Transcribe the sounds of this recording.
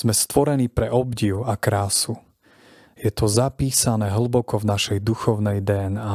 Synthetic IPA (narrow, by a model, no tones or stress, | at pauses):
zmɛst̪ʋɔɾɛniːpɾɛʔɔbɟiʊakɾaːsu | jɛt̪ʰɔzapiːsanɛːɦl̩bɔkɔvnaʃɛjd̪uxɔʊnɛjd̪ɛːɛnaː